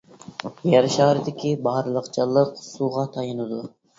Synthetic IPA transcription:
jɛɾʃɑːɾɨd̪ɪkʲibɑɾlˠəqt͡ʃʰɨlˠːəqsuʁɑt̪ʰɑjɨnɨd̪u

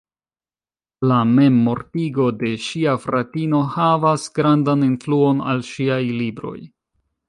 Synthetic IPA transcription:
lame̞mːo̞ɾtiɡo̞de̞ʃiafɾatino̞havasɡɾandaninfluo̞na̰lʃiajlibɾo̞̰j

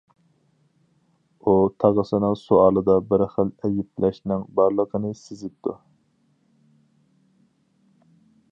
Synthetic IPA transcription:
ut̪ʰɑʁəsɨnɨŋsuɑːlˠɨd̪ɑbɪɾχəlɛjiplʔɛʃnɨŋbɑɾlˠəqʰənɨsɪzɪp̚t̪ʰṵ

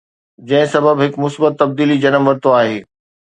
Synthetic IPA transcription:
d͡ʑɐ̃ɦɪ̃sɐbəbɦɪkmʊsbət̪ːɐb̚d̪iːlid͡ʑɐnəmʋɐɾt̪oaːɦeː

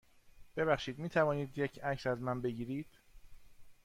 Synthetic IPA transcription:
b̥e̞βæχʃiːd̪miːt̪ʰævɒːniːd̪jecʰæksæzmænbe̞ɟiːɾiːd̪̥

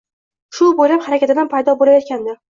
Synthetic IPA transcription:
ʃʊbojlaphaɾakʲat̪ɪd̪anpʰajd̪ɒbolajɒt̪̚kʲand̪ɪ

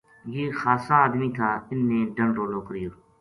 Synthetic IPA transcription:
jeːxaːsaːd̪miːk̪ʰãːɪnːẽːɖəɳɾoːloːkəɾɪjoː

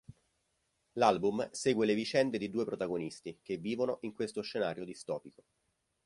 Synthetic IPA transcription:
lalbumseːɡwelevit͡ʃɛnd̪ed̪id̪uːepɾot̪aɡonist̪ikevːiːvonoʔiŋkwest̪oʃːenaːɾjod̪ist̪ɔːpiko

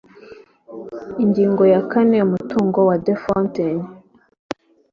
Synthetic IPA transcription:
iɲɟiːŋɡo̞jakaneumutuːŋɡo̞wadefonten

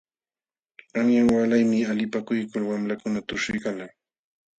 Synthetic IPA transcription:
aŋjaŋwalajmɪalɪpakʊjkʊlwamlakʊnat̪ʊʃɪjkala

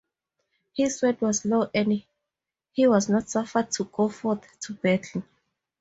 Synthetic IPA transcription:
hiswɛdwɔzloʔɛni | hiwɔznɔtsafəd̚tʰuɡ̥ofɔθtʰːubɛtʰlĩn

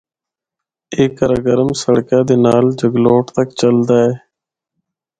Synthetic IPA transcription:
eːkːəɾaɡəɾəmsəɽkãːd̪eːnaːld͡ʒəɡloːʈt̪əkt͡ʃəld̪aːeː

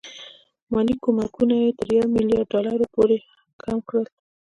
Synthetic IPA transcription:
mɑlikomakunajet̪əɾjawmɪljɑɖɖɑlaɾopoɾe | kamkɽəl

